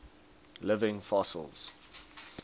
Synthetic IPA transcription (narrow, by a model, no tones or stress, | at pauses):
lɪvɪ̃ŋfɔsə̰lˠz̥